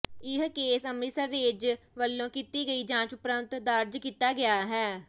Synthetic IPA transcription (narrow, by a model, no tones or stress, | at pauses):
ɪɦkeːsəmisəɾːeːd͡ʒ | ʋəlːõːkiːt̪iːɡəiːd͡ʒãːt͡ʃʊpɾənt̪d̪əɾd͡ʒkiːt̪ːaːɡɪaːɦɛː